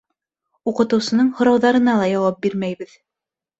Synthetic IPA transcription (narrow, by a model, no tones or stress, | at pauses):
uqɤ̆t̪ɤ̆wsɤ̆nɤɴhŏɾɑwðɑɾɤ̆nɑlˠɑjɑwɑp̚biɾmæjβɘð